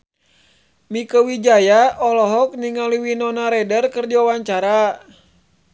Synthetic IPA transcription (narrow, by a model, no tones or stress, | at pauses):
mikəwid͡ʒajaʔɔlɔɦɔk̚niŋaliwinɔnaɾɛdərkərd͡ʒawawaɲt͡ʃaɾa